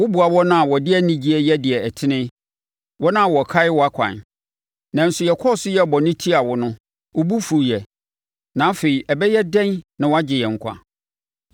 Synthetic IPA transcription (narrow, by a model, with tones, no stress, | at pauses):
wʊ˦bu˨a˨wɔ˦nã˦a˨wɔ˨dɪ˦ɛ˦nĩ˦d͡ʑi˦ɛ˦jɛ˦dɪ˨ɛ˨ɛ˨tʰɪ˦nɪ̃˦ | wɔ˦nã˦˨wɔ˨kʰa˦ɪ˦wɔ˨a˦kʷʰã̰˨n | nã˨n̩˨sʊ˨jɛ˨kʰɔ˦˨sʊ˦jɛ˦˨bɔ˨nɪ̃˦tʰi˦a˨wɔ˨nʊ̃˦ | wʊ˦bu˦fu˨jɛ˨ | nã˨˦fe˨i˨ɛ˨bɛ˦jɛ˦dɛ̃˦nnã˨wɔ˦a˦d͡ʑɪ˨jɛ˨ŋ̩˨kʷʰa̰˨